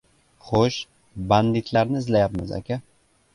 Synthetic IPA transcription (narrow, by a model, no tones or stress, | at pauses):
χoʃ | band̪it̪ʰlaɾnɪɪzlajapmɪ̰za̰kʲa